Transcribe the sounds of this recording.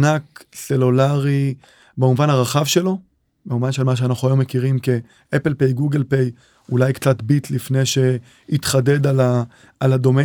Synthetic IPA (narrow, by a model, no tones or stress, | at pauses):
nakse̞lulaʁi | beuvanaʁaχavʃe̞lo̞ | beuvanʃelmaʃ̬eanaχuajo̞me̞kiʁimke̞ | ʔepelpejɡuɡelpej | ulajkt͡sat̪bitlifne̞jʃe̞ | itχade̞dala | alad̪o̞me